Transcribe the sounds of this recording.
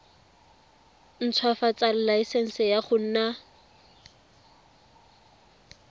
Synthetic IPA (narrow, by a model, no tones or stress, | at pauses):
n̩t͡sʰwafat͡sal̩laɪsɛn̩sɪjaχʊn̩ːna